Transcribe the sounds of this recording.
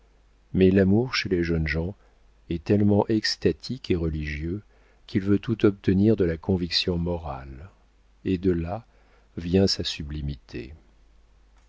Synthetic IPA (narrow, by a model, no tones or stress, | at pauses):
mɛlamuʁʃeleʒənʒɑ̃ | ɛt̪ɛlmɑ̃ʔɛkst̪at̪ʰikeʁəliʒjø | kʲʰilvøt̪ut̪ɔp̚t̪əniʁd̪əlakʰɔ̃viksjɔ̃mɔʁal | ed̪əla | vjɛ̃sasyblimit̪ʰḛ